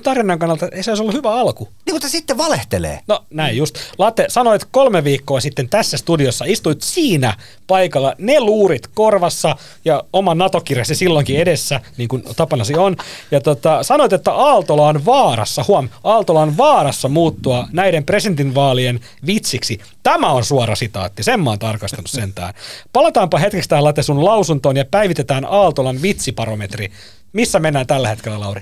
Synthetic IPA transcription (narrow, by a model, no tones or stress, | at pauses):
t̪ɑrʋinɑŋkɑnːɑlt̪ɑeiseoˑisolːuhyʋæɑlkuniːkut̪sesit̪ːeʋɑleht̪elḛːnonæijjust̪lɑt̪esɑnoit̪kolmeʋiːkːoːsit̪ːent̪æsːæst̪udiosːɑist̪uit̪siːnæ | pɑikɑlːɑneluːɾit̪korʋɑsːɑ | jɑomɑnnɑt̪okirjɑsisilːoŋkiedesːæniːŋkunt̪ɑpɑnɑsionjɑt̪ot̪ɑsɑnoit̪et̪ːæʔɑːlt̪olɑonʋɑːrɑ̰sːɑhuɑmɑːlt̪olɑonʋɑːrɑsːɑmuːt̪ːuɑnæiɾempresient̪inʋɑːlien | ʋit̪siksi | t̪æmæonsuɑɾɑsit̪ɑ̰ːt̪ːiseemːɑːnt̪ɑrkɑst̪ɑnussent̪æ̰ːnpɑlɑt̪ɑːmpɑhet̪kekst̪æːlːɑt̪esunlɑusunt̪oːnjɑpæiʋit̪et̪æːnɑːlt̪olɑnʋit̪sipɑromet̪ri | misːæmenːæːnt̪ælːæhet̪kelːælɑuri